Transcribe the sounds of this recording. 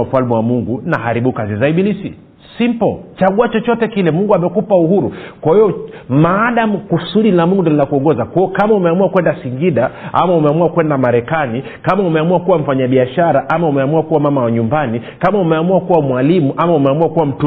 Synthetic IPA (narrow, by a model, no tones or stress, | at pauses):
m̩falmiwamuŋɡunahaɾiɓukazizaiɓilisḭ | simpɔt͡ʃaɠuat͡ʃɔt͡ʃɔtɛkilɛmuŋɡuamɛkupauhuɾukwahiɔmaːɗamukusuɗinamuŋɡundɔlilakuɔŋɡɔzakɔɔkamaumɛamuakwɛndasiŋɡiɗaʔa̰maumɛamuwakwɛndamaɾɛkani | kamaumɛamuwakuwam̩faɲaɓiaʃaɾaʔamaumɛamuwakuwamamawaɲumbanikamaumɛamuakuwamwalimuʔamaumɛamuakuwam̩t